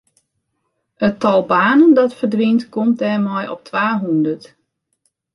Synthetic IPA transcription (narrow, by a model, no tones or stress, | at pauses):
ətɔlˠbaːnəndɔtfərdʋintkɔmt̚dɛːrmɔjʔɔ̰p̚tʰʋaːɦundərt